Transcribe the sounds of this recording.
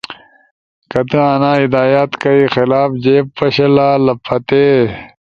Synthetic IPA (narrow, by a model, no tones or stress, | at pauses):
kɐt̪ɨ̃aːnaːid̪aːjaːt̪kɐixilaːfd͡ʑeːpːɐɕɐlaːlɐpʰːɐt̪eː